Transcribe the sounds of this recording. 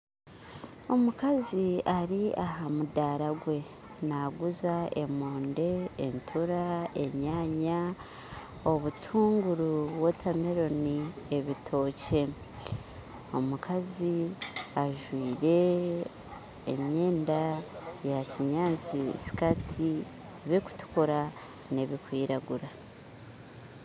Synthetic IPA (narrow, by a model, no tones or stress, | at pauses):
o̞mukaziaɾiaɦamudaːɾaɡwe̞ | naɡuzae̞moːnde̞ːntʰuɾae̞ɲaːɲa | o̞βutʰuːŋɡuɾuβwotʰameɾo̞nie̞βitʰo̞ːce̞ | o̞mukʰaziaʒwiːɾe̞ | ḛɲeːndajaciɲaːnt͡sisi̥katʰi | βiku̥tu̥kuɾa | ne̞βikwiːɾaɡuɾa